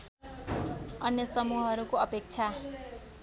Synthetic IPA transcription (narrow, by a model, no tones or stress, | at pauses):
ʌnjʌsʌmuɦʌɾukoʌpek̚t͡sʰa